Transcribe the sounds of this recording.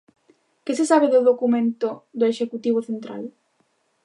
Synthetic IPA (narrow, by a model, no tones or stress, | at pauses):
kesesaβeðʊðokumẽnt̪od̪ʊeʃekut̪iβ̞oθent̪ɾa̰l